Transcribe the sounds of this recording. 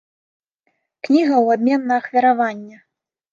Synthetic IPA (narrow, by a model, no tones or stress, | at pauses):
knʲiɣɐwabʲmʲɛnːɐːxvʲɐɾavanʲːɐ